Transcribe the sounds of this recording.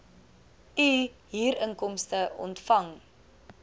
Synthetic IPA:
yɦiːɾəŋkɔmstəʔɔ̰ntfɐŋ

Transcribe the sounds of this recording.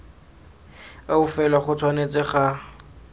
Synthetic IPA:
aʊfɛlaχʊt͡sʰwanet͡sɪχa

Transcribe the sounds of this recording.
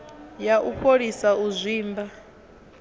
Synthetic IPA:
jaʔuɸʰoɺisauzʷiːmba

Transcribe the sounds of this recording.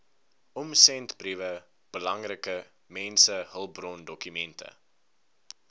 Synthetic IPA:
ʔɔmsɛntbrivə | b̥əlɐŋrəkə | mɛnsəɦəlˠbrɔndɔkymɛntə̰

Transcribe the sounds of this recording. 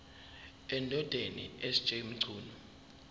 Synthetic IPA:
ɛndʱɔd̥ʱenḭest͡ʃʼeim̩ǀʱuːnu

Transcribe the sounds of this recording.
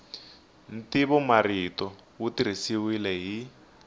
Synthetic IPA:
n̩tiβɔmaɾitɔ | wutiɾ̤isiwilɛɦi

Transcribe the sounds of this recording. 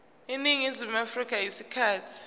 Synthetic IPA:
iniŋizimafrik̬ʼajisikʰaːtʰi̥

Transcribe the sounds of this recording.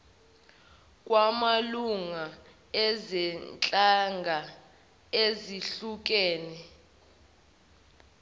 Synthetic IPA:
k̬ʼwamaluŋa | ɛzɛnt͡ɬʼaŋɡʱa | eziɬuk̬ɛːnɛ

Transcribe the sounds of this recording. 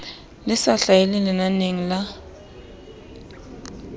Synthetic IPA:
lɪsaɬajɛlɛlɛnaneŋ̩la

